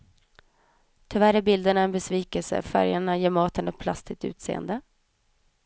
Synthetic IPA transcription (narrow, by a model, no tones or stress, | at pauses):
t̪ʰɪvæɾæbɪld̪əɳaɛnbɛsviːkəlsə̰fæ̰ɾjaɳajeːɾmɑːt̪ənɛt̪̚pʰlast̪ɪt̪ʉ̟̰ːt̪sḛːə̰nd̪ə